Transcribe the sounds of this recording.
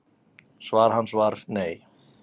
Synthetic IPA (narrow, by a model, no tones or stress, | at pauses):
svaːɾ̥ɦanːsvaɾ̥neːj